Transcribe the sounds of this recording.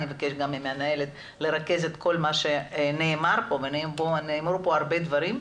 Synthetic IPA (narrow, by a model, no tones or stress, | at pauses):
nievake̞ʃɡamemeanae̞let̪ | le̞ʁake̞zet̪ko̞lmaʃe̞neːmaɾpo̞veneboneːmɾupo̞aɾbed̪vaɾim